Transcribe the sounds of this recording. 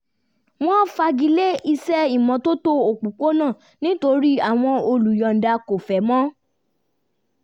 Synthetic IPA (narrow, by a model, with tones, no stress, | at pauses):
w̃ɔ̃˦˨fa˧ɡi˧˦le˦i˧sɛ˦i˦˨mɔ̃˨to˦to˦o˨k͡pu˨k͡po˦nã˦˨ | nĩ˦to˧ɾi˦a˦˨w̃ɔ̃˧o˧lu˨jɔ˨n̩˨da˧ko˨fɛ˨mɔ̃˦